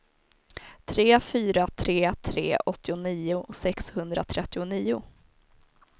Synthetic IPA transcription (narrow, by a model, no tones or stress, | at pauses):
t̪ʰɾeːfyːɾat̪ʰɾeːt̪ʰɾeːʔɔt̪ːɪʊniːʊsɛkshɵnd̪ɾa̰t̪ʰɾɛt̪ːɪʊniːʊ